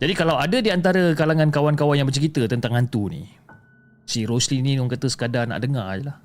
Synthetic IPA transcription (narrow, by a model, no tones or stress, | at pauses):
d͡ʒadikalawadadiant̪aɾəkalaŋãnkawankawanjaŋbət͡ʃəɾit̪ət̪ənt̪aŋant̪unḭ̃ | siɾoslinĩnuŋkat̪əsə̥kadana̰ʔdəŋajelah